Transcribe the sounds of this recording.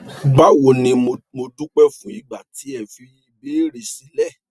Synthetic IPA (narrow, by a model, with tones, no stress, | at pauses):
ɡ͡ba˦wo˧nĩ˧mo˧dũ˦k͡pɛ˦fũ˨˦i˦ɡ͡ba˨ti˨˦ɛ˨fi˨˦i˧beː˦ɾe˧si˨˦lɛ˦˨